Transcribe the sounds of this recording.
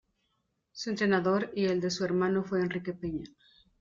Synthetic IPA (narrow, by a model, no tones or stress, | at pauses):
suent̪ɾe̞naðo̞ɾie̞ld̪e̞sueɾmãno̞fweːnrike̞peɲa